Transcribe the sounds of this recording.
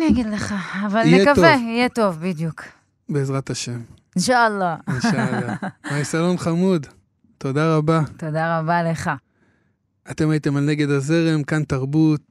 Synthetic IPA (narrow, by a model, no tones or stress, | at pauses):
nijaɡid̪leχaːvalekaveijet̪o̞vbid̪juk | beːzʁat̪aʃem | inʃalːainʃalaaisalonχamud̪ | t̪o̞d̪aʁabat̪od̪aʁabale̞χa | at̪e̞mait̪e̞malne̞ɡe̞d̪aze̞ʁemkant̪aʁbut̪̚